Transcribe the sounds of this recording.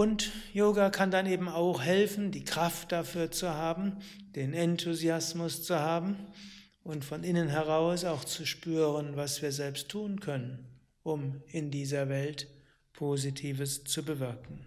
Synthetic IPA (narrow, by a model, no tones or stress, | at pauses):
ʔʊntjoːɡakʰandaneːbm̩aʊxhɛlfn̩diːkʁ̥aft̚d̥afyːɐt͡suhaːbm̩ | d̥eːnɛntʰuziasmʊst͡suhaːbm̩ | ʔʊntfɔnɪnənɦɛʁaʊsaʊxt͡suʃpyːʁənvasv̥iːɐzɛlpstʰːuːnkʰœnən | ʔʊmɪndiːzɐvɛlt | pʰoːzitʰiːvəst͡subəvɪɐkŋ̩